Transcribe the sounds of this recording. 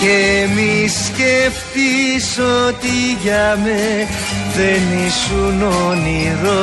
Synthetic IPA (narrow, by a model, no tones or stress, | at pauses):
emisceft̪isot̪iʝɐme | ðenisunoniðo